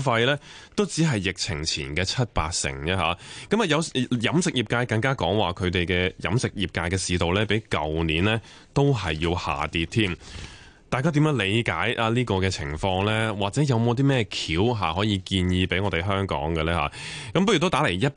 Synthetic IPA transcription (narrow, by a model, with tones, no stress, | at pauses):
fɐ˧jlɛː˥t̪o˥wt͡siː˨˥ɦɐ˨jːɪ˨k̚t͡sʰɪ̰˨˩ŋt͡sʰiː˨˩nkɛː˧t͡sʰɐ˥t̚pa̰ː˧t̚sɪ̰˨˩ŋt͡ɕɛ˥ɦa̰ː˨˦kɐ˨˥mɐ˨jɐ˨˧wjɐ˨˥msɪ˨k̚jiː˨˩p̚kaː˧jkɐ˧ŋkaː˥kɔː˨˥ŋwaː˨˩kʰɵ˨˧ɥt̪e˨jkɛː˧jɐ̰˨˥msɪ˨k̚jiː˨p̚kaː˧jkɛː˧siː˧t̪o˨˩wlɛː˥pe˨˥jkɐ˨wniː˨˥nlɛː˥ | t̪o˥wɦɐ˨jːiː˧wha̰ː˨˩t̪iː˧t̚t̪ʰiː˥m | t̪aː˨jk̬aː˥t̪̬i˨˥mjœː˨˥ŋle˨˧jkaː˨˥jʔaː˧liː˥kɔː˧kɛː˧t͡sʰɪ̰˨˩ŋfɔː˧ŋlɛː˥waː˨k̚t͡sɛː˨˥jɐ˨˧wmo˨˧wt̪̬iː˥mɛː˥kʰiː˨˥wɦa̰ː˨˩ɦɔː˨˥jiː˨˧kiː˧njiː˧pe˨˥jŋɔː˧te˨˩jɦœː˥ŋkɔ̰ː˨˥ŋɡɛ˧lɛː˥ha̰˨˦˥ | kɐ˨˦mpɐ˥ɥy˨t̪o˥t̪aː˨˥le˨˩jjɐ˥t̚